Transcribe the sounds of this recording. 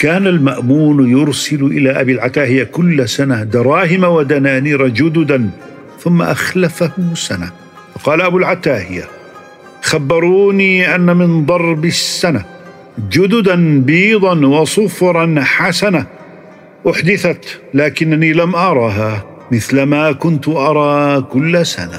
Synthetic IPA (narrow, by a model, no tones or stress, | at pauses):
kaːnalmaʔmuːnjʊɾsɪlʔɪlaːʔabiːlʕat̪aːhɪjakʊlːsanad̪ɑɾˤɑːɦɪmawad̪anaːniːɾˤad͡ʒʊd̪ʊd̪an | θʊmːa̰ʔaxlafahʊsana̰ | fɑqɑːlaʔabulʕat̪aːhɪja | xabːɑɾˤuːniːʔanːamɪnd̪ˤɑɾˤbɪsːana | d͡ʒʊd̪ʊd̪anbiːd̪ˤɑnwɑsˤʊfɾˤɑnħasana | ʔʊħd̪ɪθat̪laːkɪnːaniːlamʔɑɾˤɑːɦaː | mɪθlamaːkʊnt̪ʔɑɾˤɑːkʊlːsa̰na